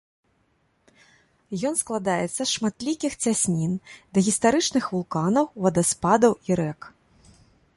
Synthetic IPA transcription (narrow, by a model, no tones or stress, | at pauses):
jɔnsklˠad̪ajɛt̪sːɐsʂmat̪lʲikʲixt͡sʲasʲnʲind̪ɐɣʲist̪aɾɨt͡ʂnɨxvulˠkanɐwvɐd̪aspad̪ɐwiɾɛk